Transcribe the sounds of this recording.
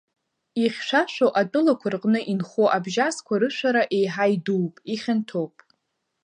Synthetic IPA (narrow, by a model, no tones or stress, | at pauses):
iχʲʃʷaʃʷᶣoʔatʼɨlakʷʰʊrqʼnɨʔinχoʔabʒaskʷʰaɾɨʃʷaɾaʔejħajduwpʼiχʲantʰopʼ